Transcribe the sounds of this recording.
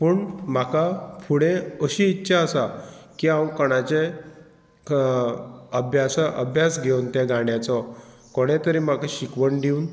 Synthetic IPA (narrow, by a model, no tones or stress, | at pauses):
pəːɳm̤akafʰuɽeəɕiːtːɕʰaəsakiãwkəɽ̃at͡ɕe | əbʱjasaʔəbʱjasɡʱewnt̪ẽɡaɳjat͡sɔ | koɽ̃et̪əɾim̤akaɕikʋəɳɖiun